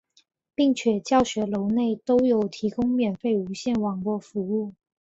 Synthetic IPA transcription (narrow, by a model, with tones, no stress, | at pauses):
pi˥˩ŋt͡ɕʰɥɛ˨˩t͡ɕjɑ˥˩ʊɕɥɛ˧˥lo˧˥ʊne˥˩ɪt̪o˥ʊjo˨˩ʊt̪ʰi˧˥kʊ˥ŋmjɛ˨˩nfe˥˩ɪu˧˥ɕjɛ˥˩nwɑ˨˩ŋlwɔ˥˩fu˧˥u˥˩